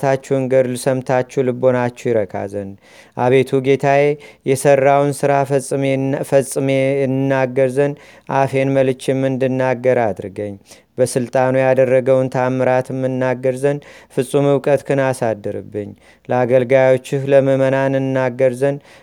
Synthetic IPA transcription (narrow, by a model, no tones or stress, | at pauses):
t̪ʰat͡ʃːɛwɨŋɡəɾlusəmt̪ʰat͡ʃːɛwlɨbo̞nat͡ʃːɛwjɪɾəkʰʼa̰zən | ʔaβe̞t̪ʰuɡe̞t̪ʰaje̞jɛsərːawnsɨɾasʼfəsʼːɨmejɛnɨnːaɡːəɾzən | ʔafe̞nməlɨt͡ʃːemːɨnd̪ɨnːaɡːəɾad̪ɾɨɡəɲː | bəsɨlt̪ʼanujad̪ərːəɡəwnt̪ʰaməɾat̪ɨmːɨnːaɡːəɾzənfɨsʼːumɨwkʼət̪kʰɨnasad̪ːəɾɨ̰bːɨɲː | ləaɡəlɡajo̞t͡ʃːɨhləməmənanɨnːaɡəɾzən